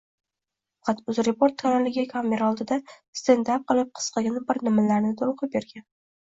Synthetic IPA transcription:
fɑqʰɑt̪ʊzɾepoɾt̪̚ːʰanaɾlɪɡʲɪkʰame̞ɾaɒlˠd̪ɪd̪a | st̪ʰend̪ap̚qɨlˠɪp̚qʰɨ̥sqɑɡʲanɪbɪɾnɪmalaɾnɪt̪ʰolˠqʰɨp̚beɾɡʲan

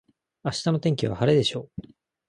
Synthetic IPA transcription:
aɕi̥t̪ano̞t̪ẽ̞ŋkʲiβa̰haɾed̪e̞ɕo̞ː

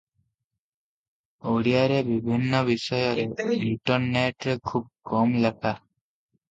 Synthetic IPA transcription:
oɽiaɾebibʱinːɔbiʃɔjɔɾeuʈɔnːeʈɾekʰub̚kɔmlakʰa

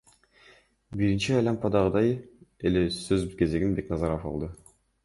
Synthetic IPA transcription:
biɾint͡ʃiɑjlˠɑmpɑd̪ɑʁɯd̪ɑjelesøzke̞ze̞ɡinbe̞knɑzɑɾofɑ̰lˠd̪ɯ

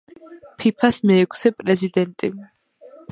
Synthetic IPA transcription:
pʰipʰasmɛːkʼʰsɛpʼɾɛzid̪ɛnt̪ʼi

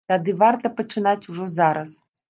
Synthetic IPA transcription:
t̪ad̪ɨvart̪ɐpɐt͡ʂɨnat͡sʲuʐɔzaɾɐs

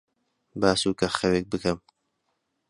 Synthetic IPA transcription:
baːsuːkɐxɐweːk̚bɨkɐm

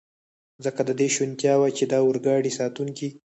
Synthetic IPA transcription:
zəkad̪əd̪eʃwint̪jɑwat͡ʃed̪ɑwəɾɡɑɽisɑt̪uŋki

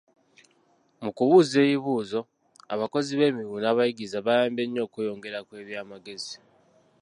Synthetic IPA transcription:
mukuβuːze̞ːjiβuːzo̞ | a̰βako̞ziβe̞ːmiɣuːnaβajiɡizaβajaːmbe̞ɲːo̞ːkujo̞ːŋɡe̞ɾakwe̞ːβjaːmaɡe̞zi

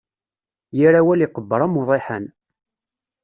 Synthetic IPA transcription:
jəɾawæliqəbːəɾˤamʊðˤeħən

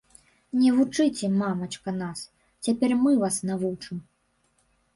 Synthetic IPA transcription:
nʲɛvut͡ʂɨt͡sʲɛmamɐt͡ʂkɐnas | t͡sʲapʲɛrmɨvasnavut͡ʂɨm

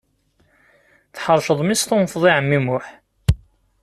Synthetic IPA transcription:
θħəɾˤʃəðˤmist̪ʊnfðˤiʕəmːimʊħ

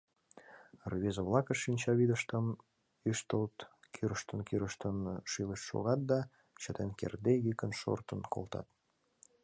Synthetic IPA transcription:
rβezəβlˠɑkəʃːinʲt͡ɕɑβid̪əʃt̪əm | yʃt̪əlt̪kʰyɾəʃt̪ənkʰyɾəʃt̪ənʃiləʃʃo̰ɣɑt̪̚d̪ɑ | t͡ɕət̪enkḛrd̪eɣikənʃo̰rt̪ənko̰lt̪ɑ̰t̪̚

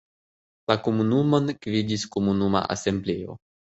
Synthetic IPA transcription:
lakomunumo̞nkvidiskomunuma̰ʔa̰se̞mbleo̞̰

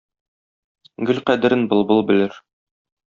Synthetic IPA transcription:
ɡɵlqæd̪ɘ̆ɾɘnbɤ̆lˠbɤlˠbɘ̆lɘɾ

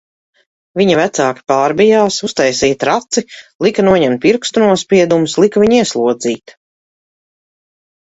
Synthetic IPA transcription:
viɲɐvæt̪saːki̥paːɾbijaːsust̪ajsiːt̪ɾat̪silˠikɐnuɔɲɛmt̪̚piɾkst̪unuɔspʲiɛd̪umuslˠikvʲiɲiɛslˠuɔd̪ziːt̪

